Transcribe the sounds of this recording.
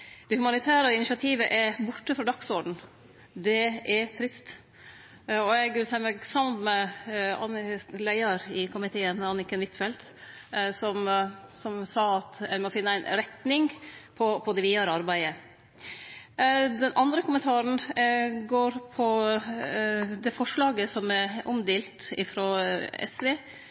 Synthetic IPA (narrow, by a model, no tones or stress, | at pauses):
d̪̥ɛhʉmɑnɪt̪ʰæːɾəɪnɪʂɑt̪ʰiːʋəʔɛɾbʊʈːəfɾɑːd̪ɑɡsɔɖɳ̩ | d̪ɛɛɾt̪ʰɾɪst̪ | ɔɛɡʋɪlsɛməɡsɑmnmɛɑ̰nlæɪəɾɪkʰʊmɪt̪ʰeːənɑnːɪkənʋɪt̪fɛlt̪ | sɔmsɔmsɑːɑt̪æɪmɔfɪnːəæɪnɾɛt̪nɪŋpʰɔpʰɔd̪ɛʋɪjøːɾɑɾbæɪə | d̪ɛnʔɑnd̪ɾəkʊmənt̪ʰɑːɾəɳ̩ɡoːɾpʰɔ | d̪ɛfɔʂɭɑːɡəsɔmæʔɔ̰md̪eːlt̪ɪ̰fɾɔɛ̰sʋeː